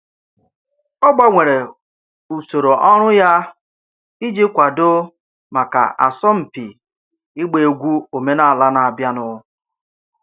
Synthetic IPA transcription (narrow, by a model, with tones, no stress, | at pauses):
ɔ˦ɡ͡ba˨ŋʷe˨ɾe˨ | u˨so˨ɾo˨ʔɔ˦ɾʊ˦ja˦ | i˦d͡ʒi˦kʷa˨do˦ | ma˨ka̰˨ʔa̰˨sɔ˦m̩˨pi˨ | i˦ɡ͡be˨˦ɡʷu˦o˨me˦na˨a˨la˦na˨a˨bja˦nʊ˦